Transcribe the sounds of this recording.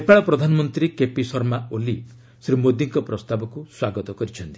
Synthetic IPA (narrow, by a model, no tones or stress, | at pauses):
epaɭɔpɾɔd̪ʱanɔmɔnt̪ɾikepisɔɾmaoli | sɾimod̪iŋkɔpɾɔst̪abɔkuswaɡɔt̪ɔkɔɾit͡ʃʰɔnt̪i̥